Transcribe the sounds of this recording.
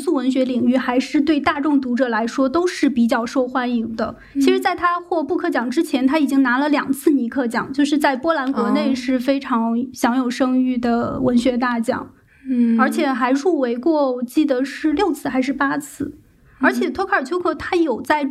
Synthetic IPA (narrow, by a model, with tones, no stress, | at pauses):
su˥˩wə˧˥nɕɥɛ˧˥li˨˩ŋy˥˩xa˧˥ɪʂɻ̩˥˧t̪we˥˧ɪt̪a˥˧ʈ͡ʂʊ˥˩ŋt̪u˧˥ʈ͡ʂɤ˨˩la˧˥ɪʂwɔ˥t̪o˥ʊʂɻ̩˥˩pi˨˩t͡ɕjɑ˥˩ʊʂo˥˩˧ʊxwa˥ni˧˥ŋd̪ə̰˧ | t͡ɕt͡ɕʰi˧˥ʂɻ̩˧˥t͡sa˥˩ɪt̪ʰa˥xwɔ˥˧pu˥˧kʰɤ˥˩t͡ɕjɑ˨˩ŋʈ͡ʂɻ̩˥t͡ɕʰjɛ˧˥nt̪ʰa˥i˨˩t͡ɕi˥ŋna˧˥lə˧ljɑ˨˩ŋt͡sʰɹ̩˥˩ni˧˥kʰɤ˥˩t͡ɕjɑ˨˩ŋt͡ɕjo˥˧ʊʂɻ̩˥˧t͡sa˥˩ɪpwɔ˥la˧˥nkwɔ˧˥ne˥˧ɪʂɻ̩˥˩fe˥ɪʈ͡ʂʰɑ˧˥ŋɕjɑ˧˥ŋjo˨˩ʊʂɤ˥ŋy˥˩d̪ə˩wə˧˥nɕɥɛ˧˥t̪̬a˥˩t͡ɕjɑ̰˨˩˦ŋ | ə˞˧˥t͡ɕʰjɛ˨˩xa˧˥ɪɻu˥˩we˧˥ɪkwɔ˥˩t͡ɕi˥˩d̪ə˩ʂɻ̩˥˧ljo˥˧ʊt͡sʰɹ̩˥˩xa˧˥ɪʂɻ̩˥˩pa˥t͡sʰɹ̩˥˩ | ə˞˧˥t͡ɕʰjɛ˨˩t̪ʰwɔ˥kʰt͡ɕʰjo˥kʰɤ˥˩t̪ʰa˥jo˨˩ʊt͡sa˥˩ɪ